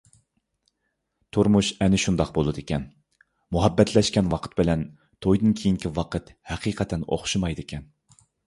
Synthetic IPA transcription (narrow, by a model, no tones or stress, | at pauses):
t̪ʰuɾmuʃɛnɪʃund̪ɑq̚bolˠɨd̪ekʲʰɛn | muɦɛbːɛt̪ʰlɛʃkʲɛnwɑqʰə̥t̪̚bɪlɛn | t̪ʰojd̪ɨnkʲʰejiŋkʲʰiwɑqʰət̪hɛqʰiːqʰɛt̪ʰːɛno̰χʃɨmɑjd̪ɨkʲʰɛn